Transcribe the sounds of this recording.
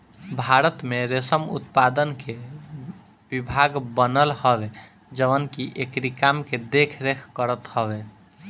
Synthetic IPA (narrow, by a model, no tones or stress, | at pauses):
bʱaɾət̪meɾesəmṵt̪pad̪ənke | bibʱaɡbənəlhəbe | d͡ʒəbənkiʔekɾikamked̪ekʰɾekʰkəɾət̪həbe